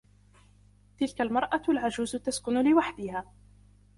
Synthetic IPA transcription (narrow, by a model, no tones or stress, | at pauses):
t̪ɪlkalmɑɾˤʔalʕad͡ʒuːzʊt̪askʊnʊlɪwaħd̪ɪhaː